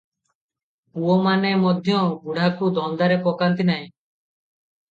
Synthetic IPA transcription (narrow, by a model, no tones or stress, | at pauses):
uwɔmanemɔd̪ʱjɔ̃ɡuɽ̤akud̪ʱɔnd̪aɾepɔkant̪inaj̃